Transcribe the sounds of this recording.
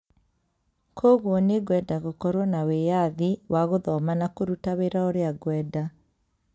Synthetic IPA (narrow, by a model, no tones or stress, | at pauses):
kʰoɣwɔneɣwɛdaɣokɔɾwɔnawejaðiwʔaɣoðɔmanakoɾutaweɾaoɾeaɡwɛda